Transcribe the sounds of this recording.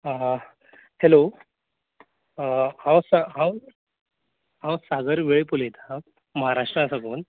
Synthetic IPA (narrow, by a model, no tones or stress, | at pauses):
helo | hãwsaɦãw | ɦãwsaɡəɾʋeɭepulet̪ʰã | məɦaɾaʂʈɾasakuːn